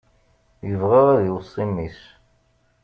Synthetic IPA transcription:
jəvʁeʁæðiwsˤːimis

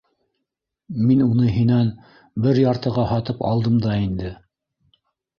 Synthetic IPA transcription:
minunɤɦinæn | bɘɾjɑɾt̪ɤ̆ʁɑhɑt̪ɤpɑ̰lˠd̪ɤmd̪ɑind̪ɘ

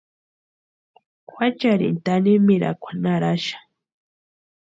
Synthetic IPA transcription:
kʷwat͡ʃaɾḭnt̪animiɾa̰kʷʰḁnaɾaʃḁ

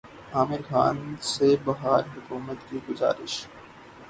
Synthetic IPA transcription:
aːmɪɾxa̰ːnsebɐɦaːɾɦʊkuːmət̪kiːɡʊza̰ːɾɪʃ

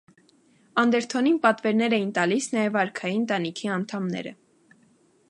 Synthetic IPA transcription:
ɑnd̪ɛɾt̪ʰɔninpɑt̪vɛɾnɛɾɛjint̪ɑlisnɑjɛvɑɾkʰɑjinənt̪ɑnikʰiɑnt̪ʰɑmnɛ̰ɾə̰

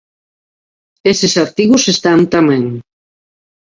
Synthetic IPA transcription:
esesaɾt̪iɣusest̪ant̪amɛ̃ŋ

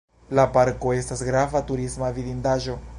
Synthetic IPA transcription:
lapaɾko̞e̞stasɡɾavatuɾismavidindaʒo̞

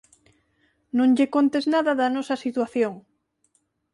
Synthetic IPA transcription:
nõŋʎekont̪eznaðɐðɐnosɐsit̪waθjoŋ

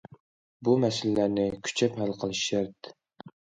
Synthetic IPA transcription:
bumɛsɪllæɾnɪkʲʰy̥t͡ʃʰɛphælqʰəlˠɨʃæɾt̪

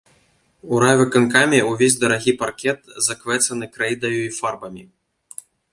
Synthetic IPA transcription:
uɾavʲɨkankamʲɛuvʲezʲd̪ɐɾaɣʲiparkʲɛt̪zɐkvɛt̪sɐnɨkɾɛjd̪ɐjuifarbɐmʲi

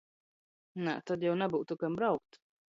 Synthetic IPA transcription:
nɛ̰t̪ad̪jɛwnabuːt̪ukambɾawk̚t̪

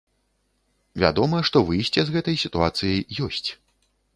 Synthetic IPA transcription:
vʲa̰d̪ɔmɐɛʂt̪ɔvɨjsʲt͡sʲɛzɣɛt̪ɐjsʲit̪uat̪sɨjɐjːɔsʲt͡sʲ

